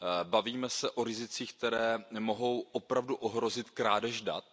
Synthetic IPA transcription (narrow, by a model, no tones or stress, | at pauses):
baviːmɛsɛʔo̞ɾɪzɪt͡siːxk̚t̪ɛɾɛːmo̞ɦo̞wʔo̞pɾavduʔoɦɾo̞zɪt̪kɾaːdɛʒda̰t̪̚